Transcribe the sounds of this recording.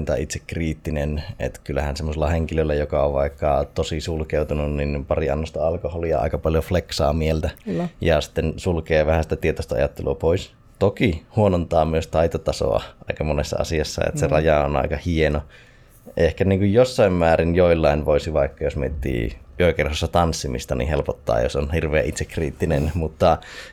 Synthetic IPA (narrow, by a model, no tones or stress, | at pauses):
nt̪ɑ̰it̪sekkriːt̪ːinenḛt̪kylːæhænsemːoselːɑheŋkilølːæjokɑoʋʋɑikːɑt̪osisulkeut̪ununninpɑriɑ̰nːost̪ɑɑlkoholiɑ̰ɑ̰ˑikɑpɑljofleksɑ̰ːmielt̪æjɑsi̥t̪ːensulkeːʋæhæsi̥t̪æt̪iet̪ost̪ɑɑ̰jɑt̪ːeluɑpois | t̪okihuonont̪ɑːmyøst̪ɑit̪ot̪ɑso̰ɑ̰ʔɑikɑmonesːɑ̰ɑ̰siɑsːɑ̰ḛt̪serɑjɑonɑ̰ikɑhieno | ʔehkæniːŋkujjosːɑimmæːrinjoilːɑˑinʋoisiʋɑikːɑjosmiet̪ːḭːʔyøkerhosːɑt̪ɑnsːimḭst̪ɑnḭhelpot̪ːɑ̰ːjo̰sonhirʋˑeːʔit̪sekːrḭːt̪ːinenmut̪ːɑ